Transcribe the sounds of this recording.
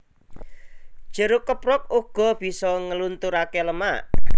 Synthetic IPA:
d̥ʒ̥ə̤ɾukəpɾʊk̚uɡ̥ɔ̤b̥i̤sɔŋəlunt̪uɾakeləmaʔ

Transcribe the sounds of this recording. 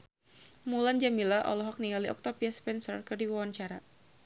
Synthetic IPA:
muland͡ʒamilaʔɔ̰lɔɦɔk̚niŋaliʔɔk̚t̪ɔpiaspɛnsərkɨrdiwawaɲt͡ʃaɾa

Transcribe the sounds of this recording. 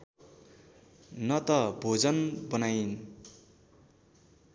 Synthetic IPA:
nʌt̪ʌbʱod͡zʌnbʌnajn

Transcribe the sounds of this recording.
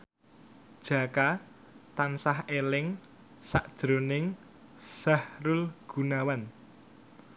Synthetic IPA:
d̥ʒ̥ä̤ka | t̪ansahelɪŋ | sa̰ʔd̥ʒ̥ɾo̤nɪŋ | sa̤hɾʊlɡ̥ṳnawan

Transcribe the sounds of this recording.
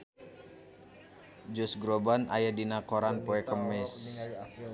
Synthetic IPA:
d͡ʒɔsɡɾobana̰jadinakoɾanpoɛkəmɪs

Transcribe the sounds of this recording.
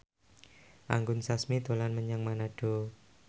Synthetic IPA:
ʔa̰ŋɡʊnsasmit̪olanməɲaŋmanaɖ̥o̤

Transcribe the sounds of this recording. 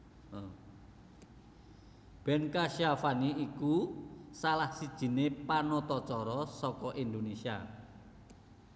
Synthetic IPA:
b̥ɛnkaʃiafaniikusalahsid̥ʒ̥i̤nepanɔt̪ɔt͡ʃɔɾɔsɔkɔʔind̪onesia

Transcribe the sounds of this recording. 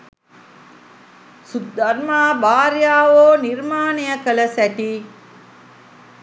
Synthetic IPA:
sud̪ɐɾmaːbaːɾjaːʋoːniɾmaːnejəkələsæʈiː

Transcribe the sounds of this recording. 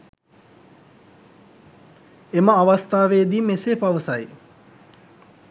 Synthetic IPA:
eməaʋast̪aːʋeːd̪iːmeseːpaʋəsɐj

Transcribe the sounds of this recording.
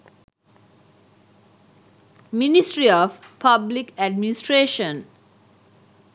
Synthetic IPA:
minisʈɾiɔfpʰablikæɖ̚minisʈɾeːʃə̃n

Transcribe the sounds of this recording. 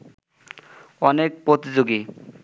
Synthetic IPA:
ɔnek̚pɾot̪id͡ʑoɡi

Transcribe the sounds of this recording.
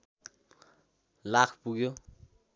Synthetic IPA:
lakʰpuɡjo

